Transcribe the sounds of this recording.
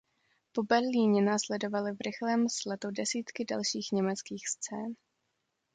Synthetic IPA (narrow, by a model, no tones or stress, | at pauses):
po̞bɛɾliːɲɛnaːslɛdo̞valɪvɾɪxlɛːmslɛt̪udɛsiːt̪kɪda̰lʃiːxɲɛmɛt͡skiːxst͡sɛːn